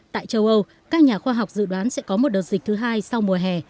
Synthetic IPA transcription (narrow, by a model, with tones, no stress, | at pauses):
t̪a̰ː˧˨jt͡ɕə˧wʔə˧w | kaː˦˥k̚ɲaː˨˩xwaː˧ɦa˨˩wk͡p̚zɨ̰˧˨ɗwaː˨˦nsɛ̰˧˥kɔ˨˦mo˨˩t̚ɗəː˨˩t̚zi˨˩t̪ʰɨ˨˦ɦaː˧jsa˧wmu˨˩əɦɛ˨˩